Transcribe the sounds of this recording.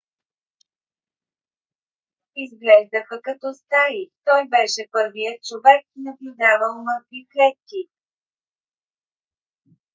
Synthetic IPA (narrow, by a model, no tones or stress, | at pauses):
izɡlɛʒd̪əxəkɐt̪ɔst̪aɾit̪ɔjbɛʃɛpɤɾvijət̪̚t͡ʃovɛk̚nɐblʲʊd̪avəlˠməlˠkviklɛt̪̚kʲi